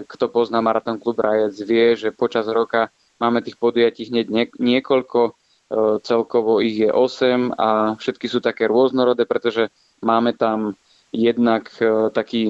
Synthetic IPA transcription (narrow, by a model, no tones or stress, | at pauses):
kt̪ɔpɔznamaɾat̪ɔnklubɾʔajɛd͡zʋɪɛʒɛpɔt͡ʃazɾɔka | maːmɛt̪iːxpɔd̪ujaciːɦɲɛɟɛɲɪɛkɔʎkɔ | t͡sɛlkɔʋɔiɣjɛʔɔsɛmafʃɛt̪kisuːt̪akɛːɾʊɔznɔɾɔd̪ɛːpɾɛt̪ɔʒɛ | maːmɛt̪am | jɛd̪nakt̪akiː